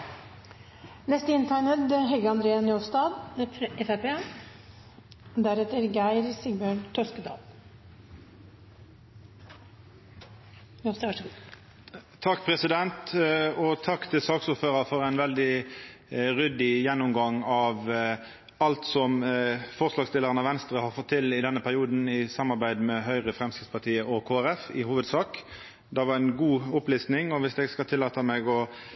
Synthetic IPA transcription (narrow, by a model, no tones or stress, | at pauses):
nɛst̪əɪnt̪ʰæɳəd̪ɦɛɡəɑnd̪ɾeːənɔst̪ɑːd̪ʔɛfæpe | d̪æɾɛt̪əɾɡæɪɾsɪɡbøɳt̪ʰœskəd̪ɑ̰ːl | sʂɡuːd̪ | t̪ʰɑkːpʰʁɛsɪd̪ɛnt̪ɔt̪ʰɑkːt̪ʰɪlsɑːɡsʊːføːʁəfɔʁæɪnʋɛld̪ɪ | ʁʏd̪ɪjɛnːʊmɡɑŋɑʋ | ɑlt̪sɔmfɔʁslɑːɡst̪ɪlːəʁənɑʋɛnst̪ʁəhɑʁfɔt̪ʰːɪlɪd̪ɛnːəpʰæɾɪuːd̪n̩ɪsɑmːɑɾbæɪd̪mɛɦœʏʁəfʁɛmskʁɪt̪spɑʁt̪ʰiːəʔɔkʰoːæɾɛfɪhuːʋəd̪sɑːk | d̪ɛʋɑɾænɡuːʊpliːsnɪŋɔʋɪsd̪ɛːɡskɑlt̪ʰɪlːɑːt̪əmɛɡɔ